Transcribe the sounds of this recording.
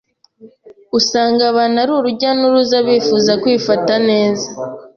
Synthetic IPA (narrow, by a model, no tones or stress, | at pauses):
usaːŋɡaβanaɾuːɾuɟanuɾuzaβiːfuːzakwiːfatane̞ːza